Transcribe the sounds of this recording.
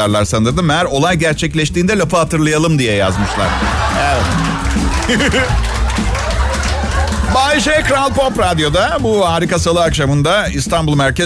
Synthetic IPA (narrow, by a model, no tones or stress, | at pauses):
aɾlˠaɾsanɯɾd̪ɯmɛjæɾo̞lˠajɟæɾt͡ʃʰɛclʲɛʃt̪iːnd̪ɛlʲafɯhat̪ʰɯɾlˠajalˠɯmd̪ijɛja̰zmɯʃlˠa̰ɾɛ | baːiʃekɾalʲˠpo̞pɾad̪jo̞d̪abuhaːɾikasalˠɯakʃamɯnd̪aist̪ʰanbulˠmæɾce